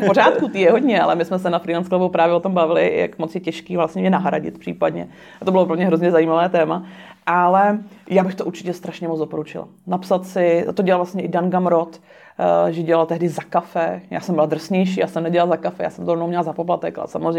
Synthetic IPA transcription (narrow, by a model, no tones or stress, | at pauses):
fpoɾaːt̪̚kut̪iːjɛɦoɟɲɛalɛmɪsmɛsɛnafɾilɛnsklavuwpɾaːvjɛʔot̪ombavɪlɪ̰ja̰kmot͡sjɛcɛʃkiːvlasɲɛmɲɛnaɦɾaɟɪ̰t̪̚pr̝̥ḭːpadɲɛ̰ | at̪obɪloplomɲɛɦɾozɲɛzajiːmavɛːt̪ɛːma | ʔalɛjaːbɪxt̪oʔuɾt͡ʃɪ̥cɛst̪ɾaʃɲɛmot͡sdopoɾut͡ʃɪ̰la̰ | napsat̪sɪt̪oɟɛlalvlastɲɛʔɪdanɡamɾot̪ | ʒɛɟɛlalt̪ɛɦdɪzakafɛja̰ːsɛmbɪlad̪r̩sɲɛjʃiːjaːsɛmnɛɟɛlalzakafɛja̰ːsɛmt̪oonowmɲɛlzapoplat̪ɛka̰lɛ̰samozrɛ